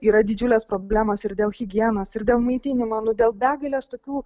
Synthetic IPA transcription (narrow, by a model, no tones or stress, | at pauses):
iːɾɐd̪ʲɪd͡ʒʲʊlʲeːspɾoːbʲlʲæːmoːsɪrd̪ʲeːlˠxʲɪɡʲiiɛnoːsɪɾd̪ʲeːlˠmɐɪt̪ʲinʲɪmoːnʊd̪ʲeːlˠbʲæːɡɐlʲeːst̪oːkʲuː